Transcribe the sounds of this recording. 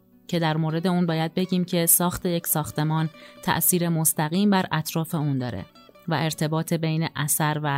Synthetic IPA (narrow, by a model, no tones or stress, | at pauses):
cʰe̞d̪æɾmoːɾe̞d̪e̞uːnbɒːjæd̪̚be̞ɟiːmcʰe̞sɒːxt̪ʰe̞je̞csɒːxt̪e̞mɒːnt̪ʰæ̰ʔsiːɾe̞most̪æɣiːmbæɾʔæt̪ʰɾɒːfe̞uːnd̪ɒ̰ːɾḛ | væ̰ʔe̞ɾt̪ʰe̞bɒːt̪ʰebe̞jneʔæsæɾvæ